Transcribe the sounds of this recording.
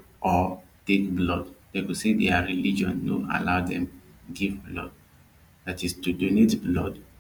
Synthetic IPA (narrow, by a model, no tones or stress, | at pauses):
ʔɔ | tek̚blɔddekusedɛaɹilid͡ʒɔ̰̃nno̰a̰laʊdɛ̃mɡivblɔ̰d̚ | datistudonetblɔ̰d